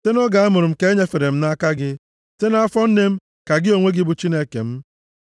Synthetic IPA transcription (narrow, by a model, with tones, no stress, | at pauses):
te˦nʊ˦ɡa˨a˦mʊ˨ɾʊ˨m̩˨ke˦ɲe˦fe˨ɾe˨m̩˦na˦ka˦ɡɪ˦ | te˦n˦a˦fɔ˦n̩˦ne˦m̩˦ | ka˨ɡɪ˦o˨ŋʷe˦ɡɪ˦bu˨t͡ʃi˦ne˦kḛ˨m̩˦